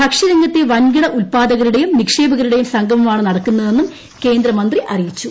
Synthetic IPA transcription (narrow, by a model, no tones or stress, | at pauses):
bɐkʂɐɾɐŋɡɐt̪ːeʋɐnɡiɽɐʔulpaːd̪ɐɣɐɾuɽe̞jumnikʂe̞ːbɐɣɐɾuɽejumsɐŋɡʱɐmumaːɳɨnɐɽɐkːunːɐðe̞nːum | ke̞ːnd̪ɾɐmɐnd̪riʔɐrijit͡ɕːu